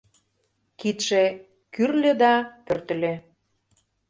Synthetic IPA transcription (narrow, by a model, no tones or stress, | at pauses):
kit̪ʃe | kyrlʲĕd̪ɑpørt̪ə̆lʲĕ